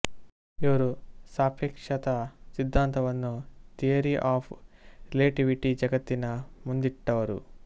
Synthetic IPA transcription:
iʋɐɾusaːpʰeːkʂɐt̪ɐsid̪ʱːaːnt̪ɐʋɐnːut̪ijɐɾiʔaːpʰɾileːʈiʋiʈid͡ʒɐɡɐt̪ːinɐmund̪iʈːɐʋɐɾṵ

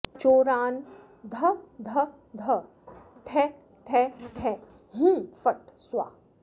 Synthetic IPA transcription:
t͡ʃoːɾaːn | d̪ʱɐd̪ʱɐ | d̪ʱɐ | ʈʰɛ | ʈʰɛʈʰɛ | ɦũːfɐʈswa̰ː

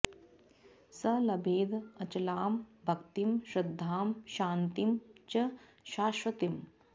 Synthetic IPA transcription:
sɐlɐbʱeːd̪ɐt͡ʃɐlaːmbʱɐkt̪imʃɾɐd̪ʱːaːmʃaːnt̪imt͡ʃɐ | ʃaːʃʋɐt̪im

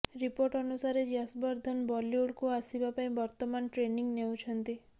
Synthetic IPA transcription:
ɾipoɾʈɔnusaɾed͡ʒasbɔɾd̪ʱɔnbɔljuɽkuasibapaĩbɔɾt̪ɔmanʈɾeniŋnew̃t͡ʃʰɔnt̪i

